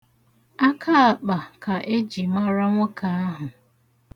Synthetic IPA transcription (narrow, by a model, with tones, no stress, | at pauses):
a˦kʰa˦a˨k͡pa˨kʰa˨ʔe˦d͡ʒi˨ma˦ɾa˦ŋʷʊ˦kʰa˨a˦ɦʊ˨